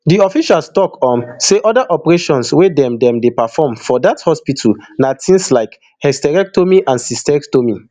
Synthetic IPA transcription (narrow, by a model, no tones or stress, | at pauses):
diɔfiʃalstɔkɔ̃nseʔɔdaʔɔpɛɹeʃɔ̃nswedɛ̃mdɛ̃mdepafɔmfɔdathɔspitʰulnatĩŋslaɪk | hɛstɛɹɛk̚tʰomiʔãnsistɛɹiktomi